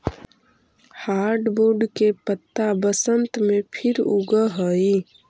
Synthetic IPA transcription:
haːɾɖboːɾɖkepət̪ːabəsənt̪mẽpʰɪɾuɡəɦəi

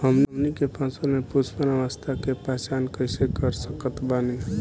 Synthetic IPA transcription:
ɦəmnmnikepãːsəlmẽpuspənaʋast̪ʰakepɛːt͡ʃaːnkəɪsekəɾsəkət̪baːnin

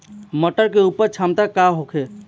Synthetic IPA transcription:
məʈəɾkeupəɾt͡ʃʰamt̪akaɦokʰe

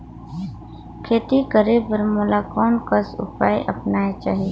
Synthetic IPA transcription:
kʰeːt̪ikəɾebəɾmʊlakɔːnkəsʊ̰pa̰ːjʔə̰pnaːet͡ʃa̰ːɦieː

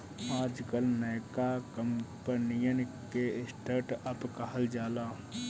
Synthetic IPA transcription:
aːd͡ʒkəlnəːkakəmpənijənkeɪsʈʰəɾʈəpkəɦəld͡ʒaːlaː

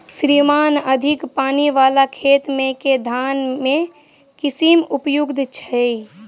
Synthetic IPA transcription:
ʃɾiːmaːnəd̪ʱɪkpaːniʋaːlakʰeːt̪mẽked̪ʱaːnmẽ | kɪsimʊpjʊɡd̪ʱt͡ʃʰɛi

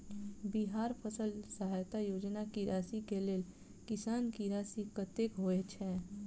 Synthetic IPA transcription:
biɦaːɾpʰəsəlsəɦaːjt̪ajoːd͡ʒnakiɾʔaːsikeleːl | kɪsaːnkiɾaːsikət̪ekɦoet͡ʃʰɛ

